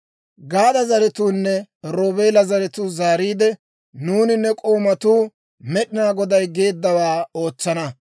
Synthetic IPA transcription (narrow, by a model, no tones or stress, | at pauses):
ɡaːd̪ɐzɐɾɛt̪uːnːɛɾoːbe̞ːlɐzɐɾɛt̪uːzaːɾiːd̪ɛ | nuːnɪnːɛkʼo̞ːmɐt̪uː | mɛɗɪnaːɡɔd̪ɐjɡe̞ːd̪ːɐwaːo̞ːt͡sːɐnɐ